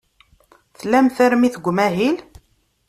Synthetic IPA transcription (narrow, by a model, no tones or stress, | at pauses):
θlæmθæɾmiθəɡʷːmæɦil